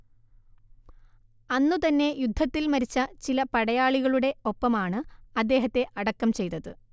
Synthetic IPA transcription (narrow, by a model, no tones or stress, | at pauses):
ɐnːut̪ɐnːe̞jud̪ʱːɐt̪ːilmɐɾit͡ɕːɐt͡ɕilɐpɐɽɐjaːɭiɣɐɭuɽe̞o̞pːɐmaːɳɨɐd̪ːe̞ːɦɐt̪ːe̞ʔɐɽɐkːɐmt͡ɕe̞jt̪ːɐðɨ